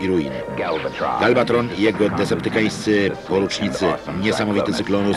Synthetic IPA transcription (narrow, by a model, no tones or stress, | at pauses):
iɾujḭn | ɡalbat̪ɾɔnijɛɡɔd̪ɛsɛpt̪ɘkaj̃st̪sɘpɔɾut͡ʂɲit̪sɘɲɛsamɔvʲit̪ɛsɘklɔnu